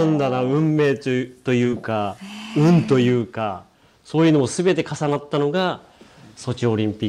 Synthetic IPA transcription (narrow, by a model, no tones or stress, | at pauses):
nd̪anaɯ̟̃mːe̞ːt̪o̞jɯ̟ːkaɯ̟̃nt̪o̞jɯ̟ːka | so̞ːjɯnoosɨbe̞t̪e̞kasanat̪ːano̞ɡa | so̞t͡ɕio̞ɾʲĩmpʲi